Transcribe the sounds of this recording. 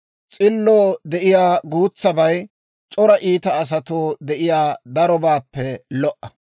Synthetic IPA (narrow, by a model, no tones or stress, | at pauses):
t͡sʼɪlːoːd̪ɛʔɪjaːɡuːt͡sːɐbɐj | t͡ʃʼɔɾɐʔiːt̪ɐːs̬ɐt̪oːd̪ɛʔɪjaːd̪ɐɾɔbaːpːɛlɔʔɐ